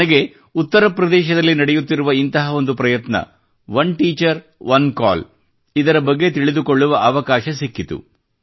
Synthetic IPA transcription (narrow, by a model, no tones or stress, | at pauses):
ɐɡe̞ | ut̪ːɐɾɐpɾɐd̪ɛːʃɐd̪ɐlːinɐɽejut̪ːiɾuʋɐint̪ɐɦɐo̞nd̪upɾɐjɐt̪nɐ̰ | ʋɐnʈiːt͡ʃɐɾ | ʋɐnka̰ːl | id̪ɐɾɐbɐɡːe̞t̪iɭid̪ukoɭːuʋɐʔɐʋɐkaːʃɐsikːit̪ṵ